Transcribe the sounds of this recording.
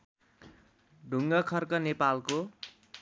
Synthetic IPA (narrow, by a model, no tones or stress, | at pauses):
ɖʱuŋɡʌkʰʌrkʌnepalko